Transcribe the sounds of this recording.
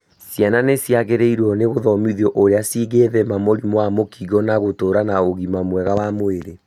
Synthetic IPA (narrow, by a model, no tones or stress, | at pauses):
sjananesjaɣeɾeiɾwɔneɣoðɔmiðjɔʔoɾeasiɣeðɛmamoɾimwamokʰiɣɔnaɣotoːɾanaoɣimamwɛɣawamoeɾe